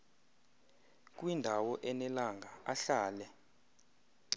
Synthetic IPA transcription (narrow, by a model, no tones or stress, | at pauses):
k̬ʼwindʱawɔʔɛnɛlaŋɡʱaaɬaːlɛ